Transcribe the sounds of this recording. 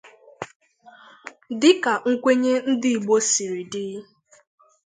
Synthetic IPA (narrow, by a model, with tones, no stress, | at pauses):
dɪ˦ka˨ŋ̩˦kʷe˦ɲe˦n̩˦dɪ˦˨ɡ͡bo˦si˨ɾi˨dɪ˦